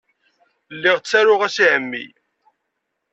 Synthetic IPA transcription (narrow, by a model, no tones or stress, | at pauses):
lːɪʁt͡sːæɾʊʁæsiʕəmːḭ